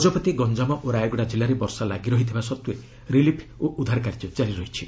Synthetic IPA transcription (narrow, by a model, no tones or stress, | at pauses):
ɔd͡ʒɔpɔt̪iɡɔnd͡ʒamɔʔoɾajɔɡɔɽad͡ʒilaɾebɔɾsalaɡiɾɔɦit̪ʰibasɔt̪ue | ɾilipʰoʔud̪ʱaɾkaɾid͡ʒɔd͡ʒaɾiɾɔɦit͡ʃʰi